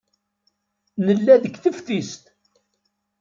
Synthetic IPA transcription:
nəlːæðəɡθəfθist̪

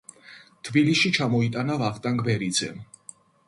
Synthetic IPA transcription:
t̪ʰbiliʃit͡ʃʰamɔit̪ʼanavaχt̪ʼaŋɡbɛɾid̪zɛ̰

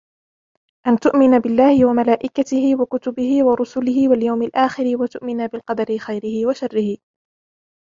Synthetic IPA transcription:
ʔant̪ʊʔmɪnabɪlːaːhɪwamalaːʔɪkat̪ɪhɪwakʊt̪ʊbɪhɪwɑɾˤʊsʊlɪhɪwaljawmɪlʔaːxɪɾɪwat̪ʊʔmɪnabɪlqɑd̪ɑɾɪxajɾɪhɪwaʃarːɪhɪ

